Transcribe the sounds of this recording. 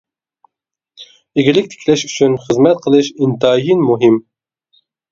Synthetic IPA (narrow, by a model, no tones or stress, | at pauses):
iɡʲilɪk̚ʲt̪ʰe̥kʲʰlɛʃy̥t͡ʃʰynχɨzmɛt̪̚qʰəlˠɨʃint̪ɑːjinmuɦim